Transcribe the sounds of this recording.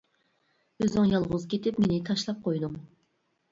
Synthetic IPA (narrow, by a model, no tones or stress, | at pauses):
øzɪŋjɑlˠʁʊzkʲʰet̪ɪpmenɪt̪ʰɑʃlˠɑp̚qʰojd̪ʊm